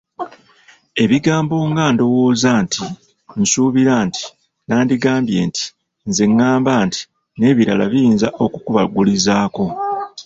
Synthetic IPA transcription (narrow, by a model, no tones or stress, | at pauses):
e̞βiɡaːmbo̞ŋɡaːndo̞woːzantʰi | n̩suβiɾanti̥ | naːndiɡaːmbje̞̰ːnti̥ | nzeŋːaːmbaːnti̥ | ne̞ːβiɾala̰βijiːnzaʔo̞kukuβaɡulizaːko̞